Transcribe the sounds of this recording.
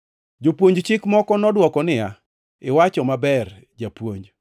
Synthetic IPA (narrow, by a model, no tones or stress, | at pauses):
d͡ʒopwoɲd͡ʒt͡ʃɪkmɔkɔnɔdwɔkɔnɪja | ɪwat͡ʃɔmabɛr | d͡ʒapwoɲd͡ʒ